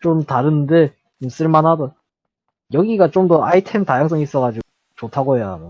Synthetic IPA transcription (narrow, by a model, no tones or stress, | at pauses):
t͡ɕomtaɾɯnɯnde̞ | t͡ɕoms͈ɯɭmanɦado | jʌɡiɡat͡ɕomdʌaitʰemtajaŋs̬͈ʌŋis͈ʌɡad͡ʑi | t͡ɕotʰaɡoɦejaɾo